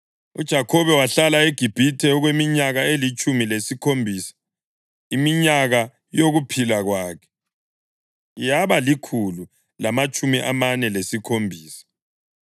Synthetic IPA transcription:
ṵd̥ʒ̥ʱakʰɔβɛwaɬalaeɡ̥ʱib̥ʱitʰɛɔɣwemiɲaɣaelit͡ʃʼumilesikʰombʱisḁ | imiɲaɣa | joɣupʰilaɣwaːkʰɛ̥ | jaβalikʰulu | lamat͡ʃʼumiʔa̰manɛlesikʰombʱiːsḁ

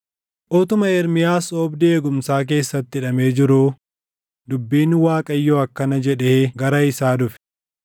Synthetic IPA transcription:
ʔɔt̪ʊmɐɛɾmɪjaːsɔːbd̪ɪeːɡʊmsaːk̬e̞ːsːɐt̪ːɪɪᶑɐme̞ːd͡ʒɪɾuː | d̪ʊbːiːnːɪwaːkʼɐjːoɐkːɐnɐd͡ʒɛᶑeːɡɐɾɐɪsaːd̪ʊfɛ̥

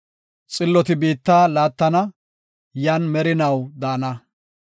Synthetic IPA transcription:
t͡sʼɪlːɔt̪ɪbiːt̪ːaːlaːt̪ːɐnɐ | jaːnmɛɾɪnɐwd̪aːnɐ

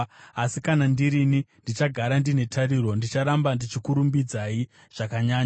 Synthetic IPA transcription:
asikanandiɾinindit͡ʃaɡʱaɾandine̞tʰaɾiɾo̞ndit͡ʃaɾambandit͡ʃikuɾumbid͡zai | ʐ̥akaɲaːɲa

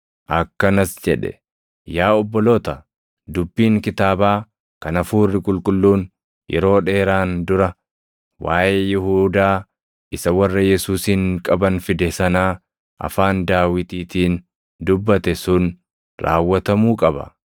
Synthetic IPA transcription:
ʔɐkːɐnɐsd͡ʒɛᶑɛ̰ | jaːɔbːɔlo̞ːt̪ɐ | d̪ʊbːiːŋkɪt̪aːbaː | kɐnɐfuːrːɪkʼʊlkʼʊlːuːn | jʔɛ̰ɾo̞ːᶑe̞ːɾaːnd̪ʊɾɐ | waːjejɪhuːd̪aː | ʔɪsɐwɐrːɐjɛsuːsiŋkʼɐbɐnfɪd̪ɛsɐnaː | ʔɐ̰faːnd̪aːwɪt̪iːt̪iːn | d̪ʊbːɐt̪ɛsʊn | ɾa̰ːwːɐt̪ɐmuːkʼɐbɐ̰

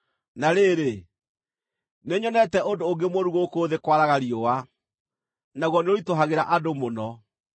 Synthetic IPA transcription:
naɾeɾe | neɲɔnɛtɛondoːɡemoɾuɣokoðekwaɾaɣaɾiowa | naɣwɔneoɾitoɦaɣeɾaʔadomonɔ

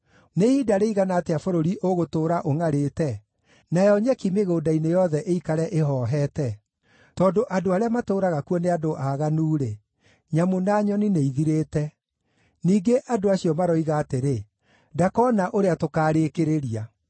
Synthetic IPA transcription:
neidaɾeiɣanaːteafoɾoɾiʔoɣotoːɾaʔoŋaɾeːtɛ | najɔɲɛkimeɣoːdainejɔðɛʔeikaɾɛʔeɦɔːɦɛtɛ | tɔːndoʔadoaɾeamatoːɾaɣakuɔneadoʔaɣanuːɾe | ɲamonaːɲɔnineiðiɾeːtɛ | niːɡeʔadoaɕiɔmaɾɔiɣaːteɾe | dakɔnaʔoɾeatokaːɾekeɾeɾia

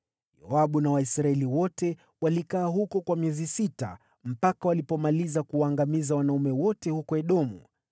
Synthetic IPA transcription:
ja̰aɓunawaisɾaɛliwɔtɛ | walikaːɦukɔkwamiɛzisita̰ | m̩pakawalipɔmalizakuwaːŋɡamizawanaumɛwɔtɛhukɔɛɗɔmṵ

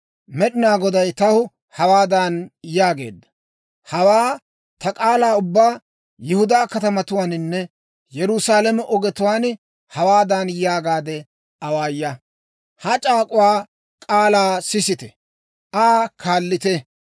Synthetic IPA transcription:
mɛɗɪnaːɡɔd̪ɐjt̪ɐhʊ | hɐwaːd̪anjaːɡe̞̰ːd̪ːɐ̥ | hɐwaː | t̪ɐkʼaːlaːʊbːaː | jɪhʊd̪aːkɐt̪ɐmɐt̪ʊwaːnɪnːɛ | jɛɾʊsaːlɛmɛʔɔɡɛt̪ʊwaːn | hɐwaːd̪anjaːɡaːd̪ɛ | ɐwaːjːɐ | hɐt͡ʃʼaːkʼʊwaː | kʼaːlaːsɪsɪt̪ɛ | ʔaːkʰaːlːɪt̪ɛ

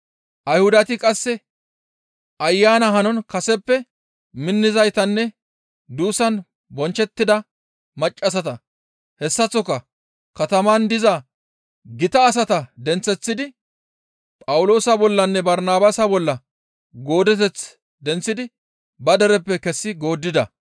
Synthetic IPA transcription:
ʔɐjhʊd̪ɐt̪ɪkʼɐsːɛ | ʔɐjːaːnɐɦɐnɔnkɐsɛpːɛ | mɪnːɪzɐjt̪ɐnːɛ | d̪uːsɐn | bɔnt͡ʃːɛt̪ːɪd̪ɐ | mɐt͡ʃʼːɐsɐt̪ɐ | hɛsːɐt͡sːɔkːɐ | kɐt̪ɐmand̪ɪzɐ | ɡɪt̪ɐːs̬ɐt̪ɐd̪ɛnt͡sːɛt͡sːɪd̪ɪ | pʼɐwʊlo̞ːsɐbɔlːɐnːɛbɐɾnaːbaːsɐbɔlːɐ | ɡo̞ːd̪ɛt̪̬ɛt͡s | d̪ɛnt͡sːɪd̪ɪ | bɐd̪ɛɾɛpːɛkɛsːɪɡo̞ːd̪ːɪd̪ɐ

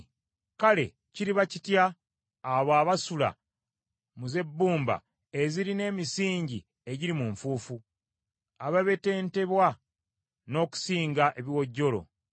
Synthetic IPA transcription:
kale̞ | ciɾiβacitjaː | βwaːβasula̰ | muze̞bːuːmba̰ | eziɾine̞ːmisiːɲɟi | e̞ɟiɾimuɱfuːfu | aβaβe̞te̞ːnte̞βwa | no̞ːku̥siːŋɡaʔe̞βiwo̞ɟːo̞lo̞̰

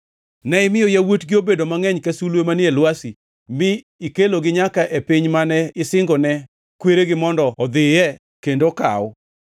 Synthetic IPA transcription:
nɛɪmɪjɔjawotɡɪobedomaŋɛɲkasulwemanjelwasi | mɪ | ikeloɡɪɲakaʔepiɲmanɛɪsɪŋɡɔnɛ | kweɾeɡɪmɔndɔɔd̪ɪjɛ | kendoka̰ɔ

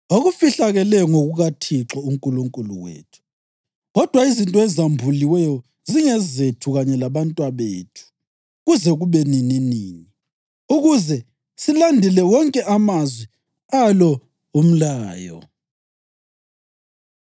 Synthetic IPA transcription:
oɣufiɬaɣɛlɛjɔŋoɣuɣatʰiǁɔuŋkʼuluŋkʼulṵwḛːtʰu̥ | ɣɔd̥ʱwaizintʼɔɛzambʱuliwɛjɔ | ziŋɛzetʰuɣaɲɛlaβantʼwaβḛːtʰu̥ | ɣuzɛɣuβɛnininiːni | uɣuzɛ | silandʱilɛwɔŋkʼɛʔamazwi | alɔ | um̩laːjɔ̰

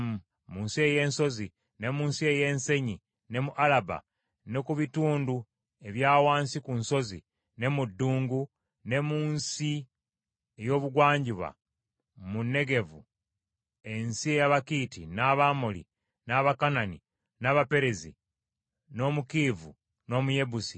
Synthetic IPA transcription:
muːnsieje̞ːnso̞zi | ne̞muːnsie̞je̞ːnse̞ɲi | ne̞muʔalaba̰ | ne̞kuβituːndu | e̞βjaːwaːnsikunso̞zḭ | ne̞mudːuːŋɡu | ne̞muːnsi | ejo̞ːβuɡwaːɲɟiβa̰ | munːe̞ɡe̞vṵ | e̞nsie̞jaβakiːtinaβamolḭ | naβakanani | naβape̞ɾe̞zḭ | no̞mukivṵ | no̞ːmuje̞busi

